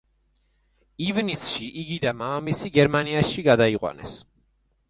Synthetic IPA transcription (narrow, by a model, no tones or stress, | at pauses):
ivnisʃiʔiɡid̪amaamisiɡɛɾmaniasʃiɡad̪aiqʼwa̰nɛ̰s